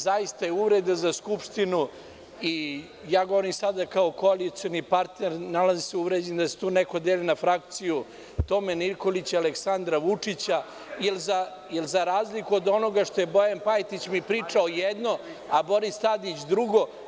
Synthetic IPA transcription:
zajist̪ajeuʋɾed̪azaskupʂt̪inu | i | jaːɡo̞ʋoɾimsad̪akaoko̞alit̪sio̞nipaɾt̪neɾnalaziseuʋɾed͡ʑend̪ase̥t̪uːneko̞d̪eːlinafɾak̚t̪siju | t̪o̞meniɾko̞lit͡ɕaleksand̪ɾaʋut͡ʂit͡ɕa | jelza | jelzaɾaːzlikuod̪o̞no̞ɡaʂt̪o̞jebojanpajt̪it͡ɕmipɾiːt͡ʂaojɛd̪no̞ | abo̞ɾist̪ad̪it͡ɕd̪ɾuɡo̞

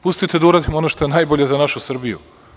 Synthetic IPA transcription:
pust̪it̪ed̪uɾad̪imonoʃt̪o̞jenajboʎe̞zanaʃusr̩bijṵ

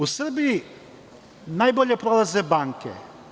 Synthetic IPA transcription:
usr̩biji | naːjboʎe̞pɾolˠaze̞baːŋkḛ

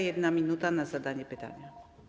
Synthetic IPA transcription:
jɛd̪namʲinut̪anazad̪aɲɛpɘt̪a̰ɲa

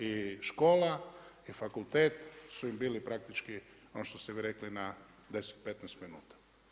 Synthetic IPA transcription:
iʃkolaifakult̪ɛt̪suimbilipɾak̚t̪it͡ʃki | onoʃt̪ost̪ɛʋiɾeklina | d̪esɛ̥t̪̚pɛt̪nɛst̪minuːt̪ḁ

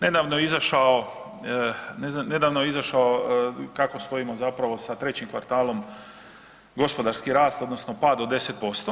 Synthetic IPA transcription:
ne̞d̪aːʋnojeizaʃao | nezne̞d̪aːʋnojeizaʃaokako̞st̪o̞imo̞zapɾaʋo̞sat̪ɾe̞t͡ɕimkʋa̰ɾt̪aːlo̞m | ɡo̞spo̞d̪aɾskiɾaːst̪o̞d̪no̞sno̞paːd̪od̪e̞set̪̚po̞st̪o

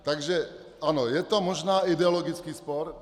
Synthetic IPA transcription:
t̪aɡʒɛ | anɔjɛt̪ɔmɔʒnaːid̪ɛɔlɔɡit͡skiːspɔɾ

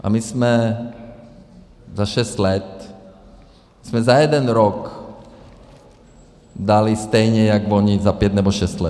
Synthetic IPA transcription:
ʔa̰mismɛ | zaʃɛst̪lɛt̪ | mismɛzajɛd̪ɛnɾɔk | d̪alist̪ɛjɲɛjaɡʋɔɲizapjɛd̪nɛbɔʃɛst̪lɛ̰

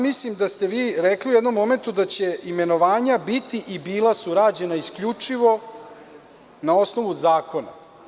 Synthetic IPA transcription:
mislimd̪ast̪eʋiːɾekliujɛd̪no̞mːo̞me̞nt̪ud̪at͡ɕe̞ime̞noʋaːɲabit̪iʔibiːlˠasuɾad͡ʑe̞naiskʎut͡ʂiʋo̞ | nao̞snoʋuzaːko̞na̰

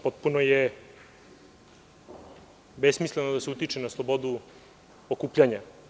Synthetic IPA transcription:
po̞t̪̚punoje | besmislenod̪aseut̪it͡ʃenaslˠobo̞d̪u | okuːpʎʲaɲa

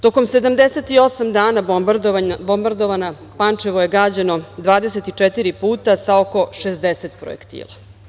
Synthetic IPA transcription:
t̪o̞ko̞mse̞d̪amd̪eset̪io̞samd̪aːna | bo̞mbaɾd̪oʋana | pant͡ʂeʋoje̞ɡaːd͡ʑeno̞d̪ʋaːd̪eset̪it͡ʂet̪iɾipuːt̪asaoko̞ʃezd̪eset̪pɾo̰ḛkt̪ḭːlˠa

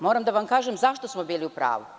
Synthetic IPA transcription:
moːɾamd̪aʋamkaːʒemzaʃt̪o̞smobiːliupɾa̰ːʋu

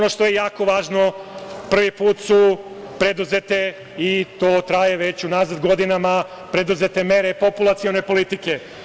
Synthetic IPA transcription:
ono̞ʃt̪o̞jejaːko̞ʋaːʒno̞pr̩ʋipuːt̪su | pɾe̞d̪uzet̪e̞ | it̪oːt̪ɾajeʋe̞t͡ɕunaːzad̪ɡo̞d̪inama | pɾe̞d̪uze̞t̪e̞meɾepo̞pulˠat̪sio̞ne̞po̞lit̪ike̞

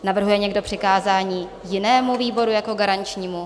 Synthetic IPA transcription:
navr̩ɦujɛɲɛɡdo̞pr̥ɪkaːzaːɲiː | jɪnɛːmuviːbo̞ɾujako̞ɡaɾant͡ʃɲiːmu

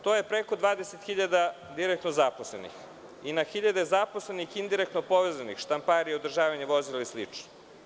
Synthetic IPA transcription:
t̪oːje̞pɾekod̪ʋaːd̪eset̪xiʎad̪a | d̪iɾek̚t̪nozaposlḛnḭx | inaxiʎad̪ezaposlenixind̪iɾekt̪nopoʋezanixʃt̪ampaɾijeod̪rʒaːʋaɲeʋo̞zilaislit͡ʃno̥

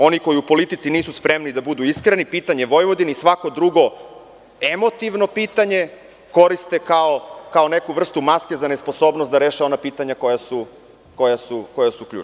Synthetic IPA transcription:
o̞niko̞jiupolit̪it̪siniːsuspɾemnid̪abud̪uiskɾenipiːt̪aɲeʋo̞jʋo̞d̪inisʋako̞d̪ɾuɡo̞ | e̞mo̞t̪iʋno̞piːt̪aɲe̞ | ko̞ɾist̪e̞kaokao̞ne̞kuʋr̩st̪umaske̞zane̞spo̞so̞ːbnost̪d̪aɾe̞ːʃeo̞napiːt̪aɲako̞jasu | ko̞jasuko̞jasuklʎṵːt͡ʃ

